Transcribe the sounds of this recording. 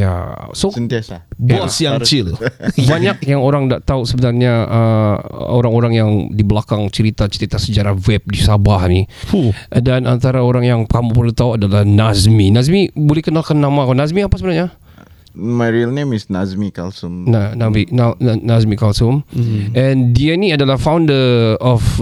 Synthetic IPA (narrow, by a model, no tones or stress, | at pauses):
ja̰sosənt̪iasabasjat͡ʃɪlbaɲak̚jaŋoɾaŋdaʔt̪ausəbənarɲaə̰ | oɾaŋoɾaŋjaŋdibəlakaŋt͡ʃəɾit̪at͡ʃəɾit̪asəd͡ʒaɾahwɛp̚disabahniudanant̪aɾaoɾaŋjaŋkamupərlit̪auadalahnazminasmibolɛhkənalkanːamakanasmiapasəbənarɲa | maɹiəlnẽmisnazmikalsumnanabinanazmikalsumʔɛ̃ndianiadalahfawndəɔf